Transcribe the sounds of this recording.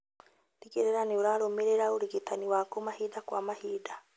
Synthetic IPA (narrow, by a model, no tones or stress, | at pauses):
dikeɾeɾaneoɾaːɾomeɾeɾaoɾeɡetaniwaːkomahiːdakwamahiːda